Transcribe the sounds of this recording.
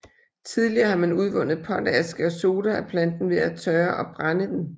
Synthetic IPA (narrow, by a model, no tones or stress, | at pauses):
t͡sʰið̞ˠliɐːhɑ̈mænuð̞ˠʋɔ̽nð̩ˠpʰɒd̥ɛæsɡ̥əɒso̝ːd̥ɐæpʰlæn̰d̥n̩ʋe̝æt͡sʰɶːɐʔɒ̽b̥ʁanəd̥en